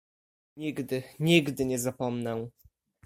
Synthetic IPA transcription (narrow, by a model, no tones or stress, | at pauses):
ɲiɡd̪ɘɲiɡd̪ɘɲɛzapɔmnɛ̃